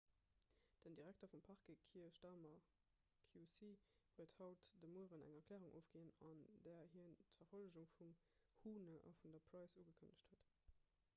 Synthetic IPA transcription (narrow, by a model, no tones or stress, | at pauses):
d̥əndiʁæktɐfumpʰɑʁkəkʰiɐɕtɑːmɐ | kʰjusiːv̥uəthɑʊtd̥əmuəʁənæ̰ŋɐkʰlɛːʁuŋʔo̰ːfɡ̥eːənɑndɛːɐhiəntfɐfoləʑuŋfum | huːnəʔɑ̰fundɐpʰrɑɪsuːɡəkʰənəɕthuət